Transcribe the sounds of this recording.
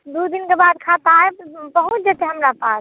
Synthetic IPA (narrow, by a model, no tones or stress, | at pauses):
d̪ud̪inkebad̪kʰat̪aebəɦut̪̚d͡ʒət̪eɦəmɾapas